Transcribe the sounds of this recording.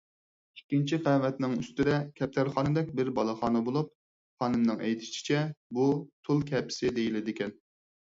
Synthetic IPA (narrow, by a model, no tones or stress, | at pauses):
ikʲːint͡ʃʰiqɛvɛt̪nɪŋyst̪ɪd̪ɛkʲʰɛp̚t̪ʰæɾχɑːnɨd̪ɛk̚ʲbɪɾbɑlˠɑχɑːnɨbolˠup̚ | χɑːnɨmnɨŋɛjt̪ʰɪ̥ʃi̥t͡ʃʰɛbut̪ʰulˠkʲʰɛpʰɪ̥sɪd̪ejilɪd̪ɪkʲɛn